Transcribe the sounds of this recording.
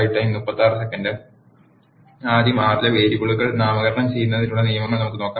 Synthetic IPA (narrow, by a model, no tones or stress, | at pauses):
jiʈːɐinːupːɐt̪ːaːrɨsekːɐnɖɨ | aːðjɐmaːrileʋe̞ːɾikoɭuɣɐɭnaːmɐɣɐɾɐɳɐmt͡ɕe̞jːunːɐðiluːɭːɐnijɐmɐɳɐmnɐmukːɨno̞ːkːaː